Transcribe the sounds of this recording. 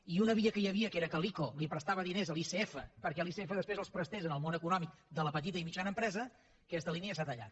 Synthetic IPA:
iunəβiəkəjəβiəkeɾəkəlikolipɾəst̪aβəðinezəlˠiseɛfəpəɾkɛlˠiseefəðəspɾezəlˠspɾəst̪ezənəlˠmonəkunɔmik̚d̪ələpət̪̬it̪əimit͡ʃanəmpɾɛzə | kɛst̪əliniəsat̪əʎa̰t

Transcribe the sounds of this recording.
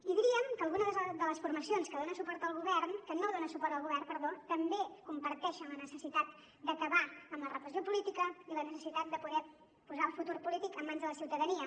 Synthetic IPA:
iðiɾiəmkəlˠɣunəðəd̪ələsfuɾməsionskəðonəsupɔɾt̪əlˠɣuβɛrnkənoðonəsupɔɾt̪əlˠɣuβɛrnpəɾðot̪əmbekumpəɾt̪ɛʃəmlənəsəsit̪at̪̚ | d̪əkəβaəmlərəpɾəsiopulit̪ikəilənəsəsit̪at̪̚d̪əpuðɛ | puzaəlˠfut̪uɾpulit̪ikəmːanzðələsiwt̪əðəniə

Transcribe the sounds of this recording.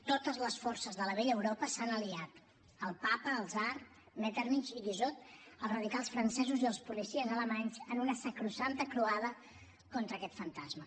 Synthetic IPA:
t̪ot̪əzləsfɔrsəzðələβeʎəwɾɔpəsanəliat̪ | əlˠpapəːlˠzaɾ | mɛt̪əɾmit͡ʃiʎizot̪̚əlˠzrəðikalˠsfɾənsɛzuziəlˠspulisiəzələmaɲzənunəsəkɾusant̪əkɾuaðə | kɔnt̪ɾəkɛt̪fənt̪azmə

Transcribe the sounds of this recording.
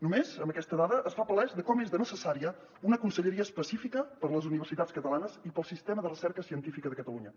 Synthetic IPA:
numezəmbəkɛst̪əðaðəʔːsfapəlɛzðəkɔmezðənəsəsaɾiə | unəkunsəʎəɾiəːspəsifikəpəɾləzuniβərsit̪at͡skət̪əlanəzipəlˠsist̪ɛməðərəsɛɾkəsiənt̪ifikəðəkət̪əluɲə

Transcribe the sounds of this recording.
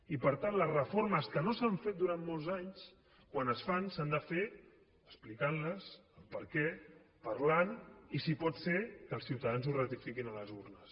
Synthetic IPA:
ipəɾt̪anləzrəfoɾməskənosaɱfet̪̚d̪uɾanmolˠzaɲs | kwanəsfansand̪əfe | əsplikanləsəlˠpəɾkɛ | pəɾlanisipɔt̪sekəlˠsiwt̪əðanzurət̪ifikinələzurnəs

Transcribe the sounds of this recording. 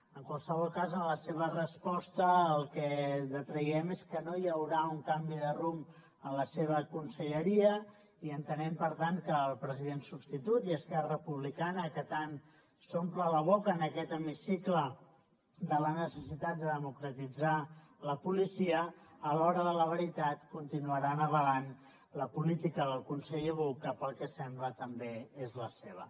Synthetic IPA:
əŋkwalˠsəβɔlˠkazənləseβ̞ərəspɔst̪əːlˠkɛðət̪ɾəjɛmeskənojəwɾauŋkambiðərum | ənləseβ̞əkunsəʎəɾiə | iənt̪ənɛmpəɾt̪ankəːlˠpɾəziðensubst̪it̪ut̪iəskɛrəpuβlikanəkət̪an | somplələβ̞okəːnəkɛt̪əmisiklə | d̪ələnəsəsit̪at̪̚d̪əðəmukɾət̪id͡za | ləpulisiəːlɔɾəðələβəɾit̪at̪kunt̪inuəɾanəβəlan | ləpulit̪ikəðəlˠkunsɛʎəβukːapəlˠkəsɛmblət̪əmbeezləseβ̞ə̰

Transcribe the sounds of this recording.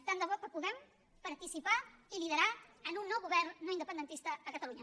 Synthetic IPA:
t̪and̪əβɔkəpuðɛm | pəɾt̪isipailið̞əɾaənunːɔwɣuβɛrnːoinəpənd̪ənt̪ist̪əːkət̪əluɲə

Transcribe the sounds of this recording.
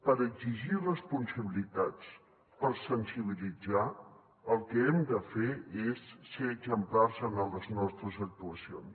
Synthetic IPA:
pəɾəɡziʒirəspunsəβilit̪at͡s | pəɾsənsiβilid͡za | əlˠkɛɛmd̪əfeesːeəɡzəmplarzənələznɔst̪ɾəzək̚t̪uəsio̰ns

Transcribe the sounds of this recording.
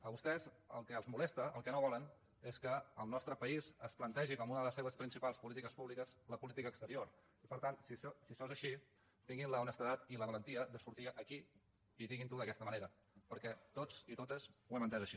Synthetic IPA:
əβust̪ɛz | ə̰lˠkəəlˠzmulɛst̪əʔəlˠkɛnoβ̞ɔlən | eskəəlˠnɔst̪ɾəpəizəsplənt̪ɛʒikɔmunəðələsːeβəspɾinsipalˠspulit̪ikəspuβlikəzləpulit̪ikəkst̪əɾioɾ | ipəɾt̪ansissisɔzəʃi | t̪iŋɡinləunəst̪əðat̪iləβələnt̪iəd̪əsuɾt̪iʔəki | iðiɣint̪uðəkɛst̪əməneɾə | pəɾkɛt̪ot͡sit̪ot̪əzwɛmənt̪ɛzəʃi

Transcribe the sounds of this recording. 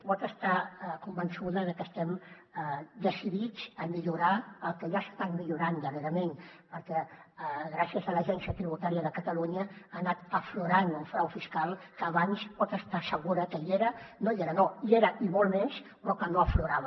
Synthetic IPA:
pɔt̪əst̪akumbənsuðəðəkəst̪ɛm | d̪əsiðit͡səmiʎuɾaəlˠkəʒasə̥st̪at̪miʎuɾand̪əɾeɾəmenpəɾkɛɣɾasiəzələʒɛnsiət̪ɾiβut̪aɾiəðəkət̪əluɲəanat̪əfluɾanuɱfɾawfiskalˠkəːβanspɔt̪əst̪asəɣuɾəkəieɾənojeɾənoieɾəʔimolˠmespɾɔkənoəfluɾaβə

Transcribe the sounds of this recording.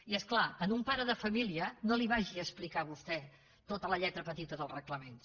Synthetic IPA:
iɛsklaənumpaɾəðəfəmiliənoliβaʒiəsplikaβust̪ɛ | t̪ot̪ələʎɛt̪ɾəpət̪it̪əðəlˠrəkləmen

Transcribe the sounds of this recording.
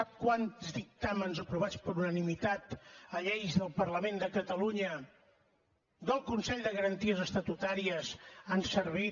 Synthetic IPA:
akwanzd̪ik̚t̪amənzəpɾuβ̞at͡spəɾunənimit̪at̪əʎejzðəlˠpərləmend̪əkət̪əluɲə | d̪əlˠkunsɛʎd̪əɣəɾənt̪iəzəst̪ət̪ut̪aɾiəzansəɾβi

